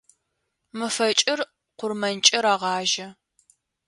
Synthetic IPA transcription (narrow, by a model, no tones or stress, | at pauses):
mɨfɐt͡ʃʼɪr | qʷʊrmɐnt͡ʃʼɐɾaːʁɑːʒɐ